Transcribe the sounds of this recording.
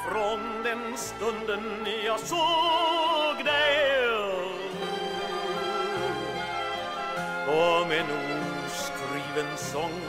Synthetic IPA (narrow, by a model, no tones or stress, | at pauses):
fɾɔnd̪ɛnst̪ɵnd̪ən | jɑso | ɡd̪æɪ | kɔmenːuː | skɾiːʋənsɔŋ